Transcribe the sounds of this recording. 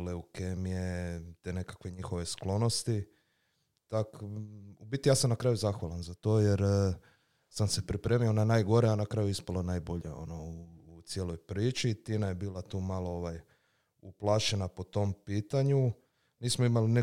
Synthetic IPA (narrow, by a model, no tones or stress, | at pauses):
leukemijet̪ene̞kḁkʋeɲixo̞ʋe̞sklo̞no̞st̪i | t̪akubit̪ijaːsamnakɾaːjuzaxʋalanzat̪o̞ːjeɾ | samsepɾipɾeːmijoonajnaːjɡo̞ɾeanakɾaːjuispalonajbo̞ʎḛo̰nouːt̪sjeːlˠo̞jpɾiːt͡ʃit̪inajebiːlˠat̪uːmalo̞oʋaj | uplˠaːʃe̞napo̞t̪o̞mpiːt̪aɲu | niːsmoimaline